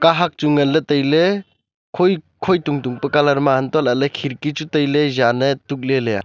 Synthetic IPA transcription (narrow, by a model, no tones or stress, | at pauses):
kaɦak̚t͡ʃuŋɐlːɐtɐjle | kʰoj | kʰojtuŋtuŋpɐkalaɾmaantalɐlekʰiɾkit͡ʃutɐjlezanɐtuk̚leleja̰